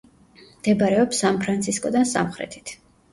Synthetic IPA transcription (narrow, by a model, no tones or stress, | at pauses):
md̪̥ɛbaɾɛɔpsanpʰɾant̪sʰiskʼɔd̪ansa̰mχɾɛ̰t̪ʰi̥t̪ʰ